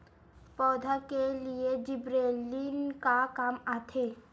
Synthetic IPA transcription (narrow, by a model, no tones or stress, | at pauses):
pɔːd̪ʱakelied͡ʒibɾelinkakamat̪ʰe